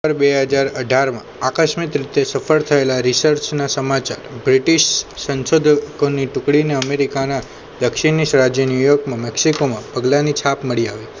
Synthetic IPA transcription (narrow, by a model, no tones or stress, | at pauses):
əɾbeɦəd͡ʒaɾəɖʱaɾmã̰akəʃmit̪ɾit̪esəfəɭt̪ʰəelaɾisəɾt͡ʃnasəmat͡ʃa̰ɾbɾiʈiʃsə̃nsod̪ʱkoniʈʊkɽineəmeɾikana | d̪əkʃiniʃɾad͡ʒjənijoɡ̚mãmɛksikomãpəɡlanit͡ʃʰapməɭiaʋi